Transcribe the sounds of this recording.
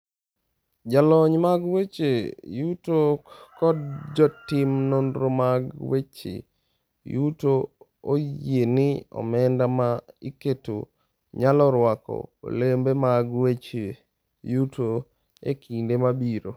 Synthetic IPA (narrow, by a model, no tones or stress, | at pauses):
d͡ʒalɔɲmaɡwet͡ʃejutokɔd̚d͡ʒɔtɪmnondɾomaɡwet͡ʃḛ | juto | ojjenɪɔ̰mɛndamaiketo̰ | ɲalɔɾwakɔ̰o̰lembemaɡwet͡ʃe | juto | ḛkʰindemabiɾo